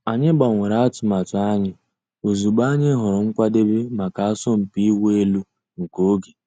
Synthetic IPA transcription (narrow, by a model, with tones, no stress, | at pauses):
a˨ɲɪ˦ba˨ŋʷe˨ɾa˦a˦tʊ˨ma˨tʊ˨˦a˦ɲɪ˦ | o˨zu˨ɡ͡ba˦ɲɪ˦ɦɔ˨ɾɔ˨ŋ̩˦kʷa˦de˦be˦ma˨ka˨a˦sɔ˦m̩˨pi˦we˦lu˦ | ŋ̩˨ko˦ɡe˨